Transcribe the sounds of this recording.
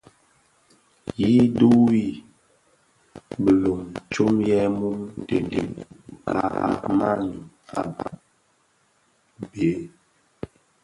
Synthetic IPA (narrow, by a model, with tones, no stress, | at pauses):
ji˦du˦i˦ | bə˨lo˨mt͡ʃo˦mjɛ˦mu˦mtḛ˨ndḛ˨a˨a̰˦ma̰˦n˨ | a̰˨ba̰˨ʔ | be˨˦